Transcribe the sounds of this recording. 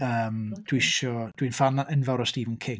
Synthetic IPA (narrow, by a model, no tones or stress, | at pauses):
əːmd̥wiʃɔd̥winfanaʔənvɛwɾɔstiːvɪnkʰɪŋ